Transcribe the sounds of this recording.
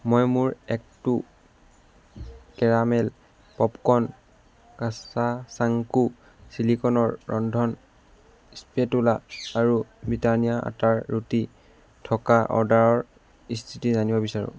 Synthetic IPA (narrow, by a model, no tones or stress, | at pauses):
mɔjmuɹɛk̚tu | kɛɹamɛl | pɔpkɔn | kasasaŋku | silikɔnɔɹːɔndʱɔn | ispetulaːɹubɹitanijaʔa̰taɹːuti | tʰɔkaʔɔ̰daɹɔɹ | istʰitizanibɔbisaɹṵ̃